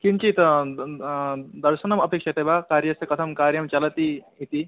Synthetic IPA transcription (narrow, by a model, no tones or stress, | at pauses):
kint͡ɕit̪ɐ | d̪ɐɾsɐnɐmɐpekʂɐt̪ebakaɾjɐsɐkɐt̪ʰɐmkaɾjɐmt͡ɕalɐt̪i | it̪i